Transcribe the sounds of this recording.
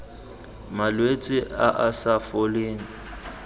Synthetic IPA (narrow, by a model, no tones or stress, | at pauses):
malwet͡sʼɪʔaʔasafoleːŋ̩